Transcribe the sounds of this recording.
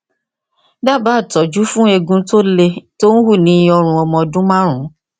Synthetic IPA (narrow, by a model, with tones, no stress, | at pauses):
da˦˨ba˨˦˨tɔ˨d͡ʒu˨˦fũ˦e˧ɡũ˧˦to˦le˧to˦ñ̩˦hu˦˨nĩ˨˧ɔ˧ɾ̃ũ˧ɔ˧mɔ̃˧dũ˦mã˦ɾ̃ũ˨˦